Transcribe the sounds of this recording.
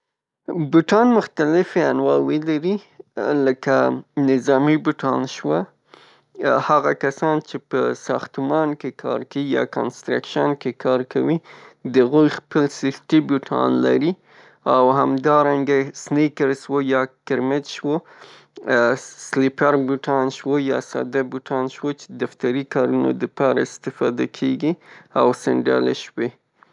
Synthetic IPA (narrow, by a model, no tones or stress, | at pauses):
bʊʈɑnmʊxt̪alɪfeanwɑwelaɾiləkanɪzɑmibʊʈɑ̰nʃwa | haɣakasɑnt͡ʃepəsɑxt̪mɑnkekʰɑ̰ɾkajɑ̰ka̰nst̪ɾa̰kʃankekʰɑɾkʰa̰wid̪əaɣujxpəlsixt̪ibʊʈʰɑ̰nla̰ɾi | awɦamd̪ɑɾaŋɡasnikaɾswojɑkɪɾmɪt̪ʃwo | slipaɾbuʈʰɑnʃwəjɑ̰sɑ̰d̪abuʈʰɑnʃwət͡ʃe̥d̪aft̪aɾikɑɾuno̰d̪əpɑɾa̰ɪst̪ɪfɑd̪akʰeɡiawsɪɳɖa̰leʃwe